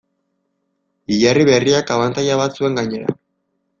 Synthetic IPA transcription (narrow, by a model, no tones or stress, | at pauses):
iʝariβe̞riakaβant̪ajaβat̪sue̞ŋɡaɲe̞ɾa̰